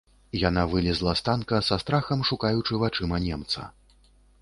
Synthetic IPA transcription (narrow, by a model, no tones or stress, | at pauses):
janavɨlʲizlˠɐst̪ankɐsast̪ɾaxɐmʂukajut͡ʂɨvat͡ʂɨmɐnʲɛmt̪sɐ̰